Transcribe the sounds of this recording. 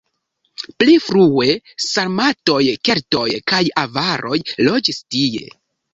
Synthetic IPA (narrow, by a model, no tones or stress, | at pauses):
plifɾue̞saɾmato̞jke̞ɾto̞jkajavaɾʔo̞jlo̞d͡ʒistie̞̰